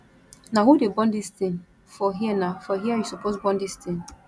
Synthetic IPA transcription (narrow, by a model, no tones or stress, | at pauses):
naɦudebɔ̃ndistĩn | fɔɦiɛnafɔɦiajusupozbɔ̃ndistĩn